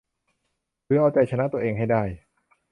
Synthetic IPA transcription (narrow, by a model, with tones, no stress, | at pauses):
kɯː˧˦ʔaː˧wt͡ɕa˧jt͡ɕʰa˧na˦˥t̪u˧ɐʔeː˧ŋɦa˥˩jdaː˥˩j